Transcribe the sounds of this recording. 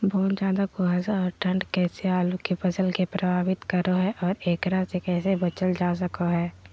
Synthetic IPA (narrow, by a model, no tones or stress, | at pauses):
bɐɦʊt̪d͡ʒjaːd̪akoɦaːzaɔːɾʈʰə̃ɳɖkɛːseaːlukepɐsəlkepɾʔɐbʱaːbɪt̪kɐɾoɦɛʔɔːɾeːkɾasekɛːsebɐt͡ʃəld͡ʒaːs̬əkoɦɛː